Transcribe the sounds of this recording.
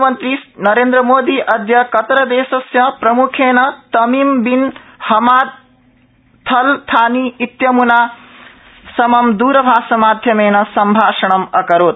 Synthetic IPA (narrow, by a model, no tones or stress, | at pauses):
mɐnt̪ɾisnɐɾeːnd̪ɾɐmoːd̪iʔɐd̪ʱjɐkɐt̪ɾɐd̪eːsɐsjɐpɾɐmukʰeːnɐt̪ɐmimbinhɐmaː | t̪ʰɐlt̪ʰaːniit̪jɐmuna | sɐmɐmd̪uːɾɐbʱaːsɐmaːd̪ʱjɐmeːnɐsɐmbʱaːʃɐɳɐmɐkɐɾoːt̪̚